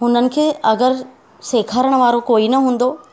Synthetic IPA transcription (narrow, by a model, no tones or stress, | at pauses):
ɦʊnənɪ̆kʰeːʔɐɡəɾ | seːkʰaːɾəɽ̃ʋaːɾokoːinɐɦũːn̆d̪oː